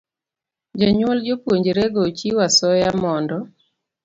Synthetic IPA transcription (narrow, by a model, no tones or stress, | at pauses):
d͡ʒaɲwold͡ʒopwoɲd͡ʒeɾeɡot͡ʃiwasɔjamɔndɔ